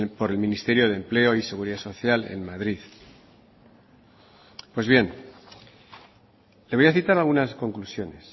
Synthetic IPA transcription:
po̞ɾe̞lmĩnist̪e̞ɾjo̞ðemple̞o̞ise̞ɣuɾiðaso̞θjale̞̰nmaðɾið | pwe̞zβje̞n | leβo̞jaθit̪aɾalɣunasko̞ŋklusjo̞ne̞s

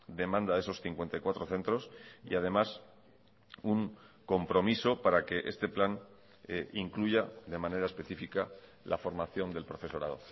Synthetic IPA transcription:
d̪e̞mãnd̪aðe̞so̞sθiŋkwe̞nt̪ajkwat̪ɾo̞θe̞nt̪ɾo̞sḭað̞e̞mas | uŋko̞mpɾo̞miso̞paɾake̞ʔe̞st̪e̞plan | iŋkluʝaðe̞mãne̞ɾae̞spe̞θifika | lʔafo̞ɾmaθjo̞nd̪e̞lpɾo̞fe̞so̞ɾað̞o̞̰

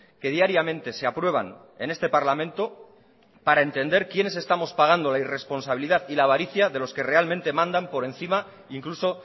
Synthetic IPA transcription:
ke̞ð̞iaɾjamẽ̞nt̪e̞seapɾwe̞β̞a̰n | e̞̰ne̞st̪e̞paɾlamẽ̞nt̪o̞ | paɾae̞nt̪e̞nd̪e̞ɾkje̞ne̞se̞st̪amo̞spaɣ̞and̪o̞laire̞spo̞nsaβiliðaðilaβ̞aɾiθjaðe̞lo̞ske̞re̞almẽnt̪e̞mãnd̪ampo̞ɾẽ̞n̟θima | iŋkluso̞

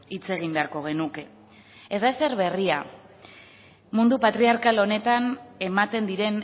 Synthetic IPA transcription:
it͡se̞ɣ̞imbe̞aɾko̞ɣ̞e̞nuke̞ | ezd̪aese̞ɾβe̞ria | mund̪upat̪ɾiaɾkalo̞ne̞t̪ane̞mat̪e̞nd̪iɾe̞n

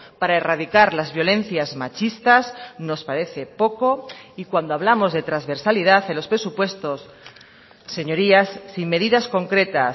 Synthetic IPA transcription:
paɾaerað̞ikaɾlazβjo̞lẽ̞n̟θjazmat͡ʃist̪azno̞spaɾe̞θe̞po̞ko̞ikwand̪oaβlamo̞zðe̞t̪ɾazβe̞ɾsalið̞aθelo̞spɾe̞supwe̞st̪o̞sː | e̞ɲo̞ɾiasːiŋme̞ðiðasko̞ŋkɾe̞t̪a

